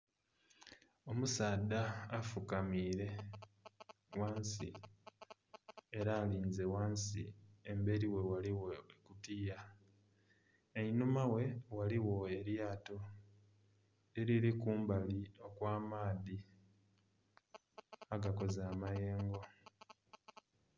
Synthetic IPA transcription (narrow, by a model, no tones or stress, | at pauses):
o̞musaːd̪aːfukamiːɾe̞ | waːnsḭ | eɾaːliːnze̞waːnsḭembe̞ɾiwe̞waliwo̞ekutiːja | einumawe̞waliwo̞e̞ɾjaːto | eɾiɾikuːmbalio̞kwaːmaːði | aɡako̞zaːmaje̞ːŋɡo̞